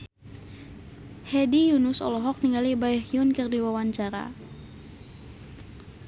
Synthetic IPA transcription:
hɛdijunʊsɔ̰lɔɦɔk̚niŋalibajhiunkɨrdiwawaɲt͡ʃaɾa̰

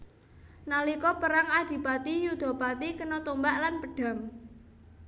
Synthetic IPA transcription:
nalikɔpəɾaŋad̪̥i̤pat̪ijud̪̥ɔ̤pat̪ikənɔt̪umbaʔlanpəɖ̥ä̤ŋ

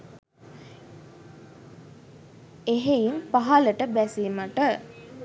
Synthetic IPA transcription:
eɦeinpaɦaləʈəbæsiməʈə

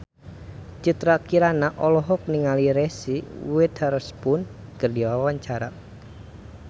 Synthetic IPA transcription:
t͡ʃut̪ɾakiɾanaʔɔlɔɦɔk̚niŋaliɾɛsiwɪt̪̚haɾʊspʊnkərdiwawaɲt͡ʃaɾa

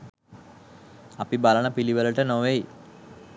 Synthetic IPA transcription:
apibaləɳəpiliʋələʈənoʋej

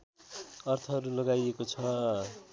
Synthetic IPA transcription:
ʌrt̪ʰʌɦʌɾulʌɡajekot͡sʰʌ

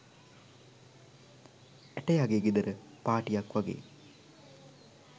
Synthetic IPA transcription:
ɛʈɐjaɡeːɡid̪əɾəpaːʈijakʋaɡḛː

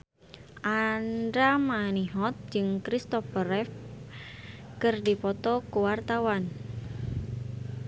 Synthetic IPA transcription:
ʔandɾamaniɦɔt̪̚d͡ʒɨŋkɾist̪ɔfəɾɛf | kɨrdipɔt̪ɔkuwart̪awan

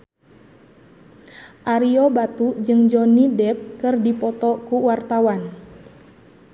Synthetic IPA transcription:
ʔaɾiɔbat̪ud͡ʒɨŋd͡ʒɔnidɛp̚kɨrdipɔt̪ɔkuwart̪awan

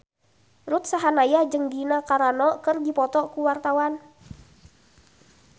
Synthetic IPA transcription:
ɾut̪̚saɦanajad͡ʒɨŋɡinakaɾanɔkɨrdipɔt̪ɔkuwart̪awan

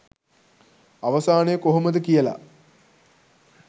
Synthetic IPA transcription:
ɐʋɐsaːnejkoɦumɐd̪əkijɐla̰

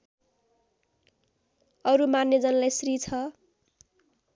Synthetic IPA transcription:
ʌɾumanːjed͡zʌnlajsrit͡sʰʌ

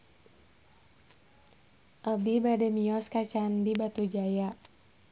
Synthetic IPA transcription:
ʔəbibadɛmiɔskat͡ʃandibat̪ud͡ʒaja

